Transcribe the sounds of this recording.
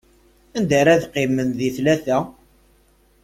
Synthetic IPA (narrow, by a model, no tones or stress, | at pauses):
ænd̪æɾæðqɪmənðiθlæθæ